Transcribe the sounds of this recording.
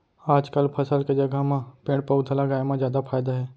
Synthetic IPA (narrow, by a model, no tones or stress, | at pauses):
aːd͡ʒkəlpʰɐsəlked͡ʒɐɡamãpẽːɽpəʊd̪ʰʱalaɡaːemãzjaːd̪apʰaːjd̪aɦɛː